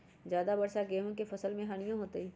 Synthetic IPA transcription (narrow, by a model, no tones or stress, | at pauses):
zjaːd̪abɐɾsaɡeːɦõkefɐsəlmẽɦaːñɪjõɦoːt̪eiː